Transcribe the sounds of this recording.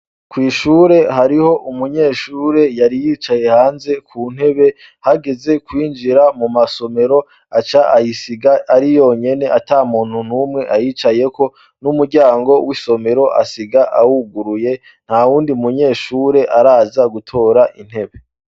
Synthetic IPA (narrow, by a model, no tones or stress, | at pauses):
kwiːʃuːɾe̞ɦaɾiho̞ʔumuɲe̞ːʃuːɾe̞jaɾijit͡ʃaje̞haːnze̞kʰuːn̥he̞βe̞ | haɡe̞ze̞kwiːnd͡ʒiɾamumaso̞me̞ɾo̞ | at͡ʃaʔajisiɡaːɾijo̞ɲe̞ne̞ʔatamuːn̥hun̥umŋe̞ʔajiːt͡ʃaje̞ko̞ | numuɾɟaːŋɡo̞wiso̞me̞ɾo̞ʔa̰siɡaʔahuɡuɾuje̞ | n̥hawuːndiumuɲe̞ːʃuːɾe̞ʔaɾaːzaɡutʰo̞ːɾaʔin̥he̞βe̞